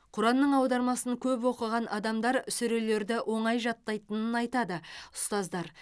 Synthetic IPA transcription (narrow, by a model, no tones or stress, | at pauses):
qʰʊɾɑnːəɴɑwd̪ɑɾmɑsəŋkʲʰɵpwo̞qəʁɑnʔɑd̪ɑmd̪ɑɾʏsʏɾe̞le̞ɾd̪ɪʔwʔo̞ɴɑjʒɑt̪ːɑjt̪ənənɑjt̪ɑd̪əʊst̪ɑzd̪ɑɾ